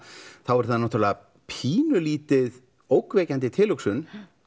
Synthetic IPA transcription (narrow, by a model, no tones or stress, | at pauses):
θawɛɾ̥θaðnawt̪ʰalɪða | pʰiːnʏliːt̪ɪð | owkvɛːcant̪ɪt̪ʰɪːlʏksʏn